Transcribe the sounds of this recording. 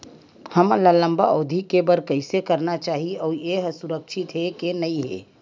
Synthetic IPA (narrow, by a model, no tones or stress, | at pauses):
hɐməlalə̃mbaoːd̪ʱikebəɾkəɪsekəɾnat͡ʃaːɦiɔːɾjeɦsʊɾəkʃʰɪt̪ɦekenɐiɦɛ̰ː